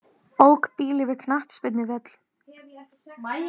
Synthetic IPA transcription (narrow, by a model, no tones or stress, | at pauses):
oːwkpiːlɪvɪkʰnaht̪spɪt̪nɪvɛt̪l̥